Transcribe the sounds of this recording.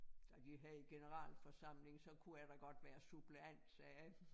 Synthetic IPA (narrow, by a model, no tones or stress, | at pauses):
d̥æd̥iɦæðˠiɡ̥e̝nəʁɑ̰̈ːlfɒ̽sɑ̈m̰le̝ŋsɒ̽kʰuæd̥ɑɡ̥ɒ̽d̥ʋæːɐsub̥leæn̰d̥sɛː